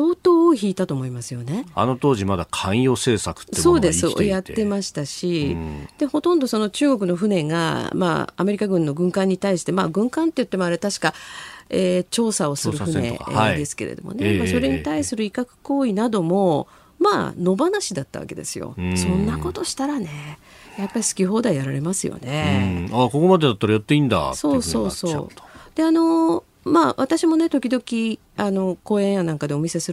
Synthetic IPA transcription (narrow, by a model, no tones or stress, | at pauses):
so̞ːt̪o̞ːoçiːt̪at̪oːmo̞imasɨjo̞ne̞a̰no̞t̪o̞ːʑimad̪akʰãɰ̃jo̞ːseːsakɯ̥tːeso̞ːd̪e̞sjat̪ːe̞maɕi̥t̪aɕid̪̥e̞ho̞t̪õ̞nd̪o̞so̞no̞t͡ɕɨːɡo̞kɯ̟no̞ɸɯ̟ne̞ŋa̰ma̰ːame̞ɾʲikaɡɯ̟̃nːo̞ɡɯ̟̃ŋkãɲ̟ːit̪aiɕi̥t̪e̞maːɡɯ̟̃ŋkãnt̪ːe̞jɯt̪ːemoaɾet̪aɕi̥kaeːt͡ɕo̞ːsao̞sɨɾɯ̟ɸɯ̟ne̞̰d̪e̞sɨ̥ke̞ɾḛd̪o̞̰mo̰ne̞maso̞ɾe̞ɲ̟it̪aisɨɾɯ̟ikakɯ̟̥ko̞ːinad̪o̞mo̞ | ma̰ːno̞banaɕid̪at̪ːaβa̰ke̞d̪e̞̰sɨjo̰sõ̞nːako̞t̪o̞ɕi̥t̪aɾane̞ | japːaɾʲisɨ̥kʲiɦo̞ːd̪aijaɾaɾe̞masɨjo̰ne̞akokomad̪ed̪at̪ːaɾajat̪ːeĩːnd̪a̰so̞ːso̞ːso̞̥ːd̪̥e̞ano̞ | maːβat̪aɕimo̞ne̞t̪o̞kʲid̪o̞kʲi | ano̞ko̞ːẽ̞ɰ̃janãŋkad̪e̞o̞mʲise̞sɨɾ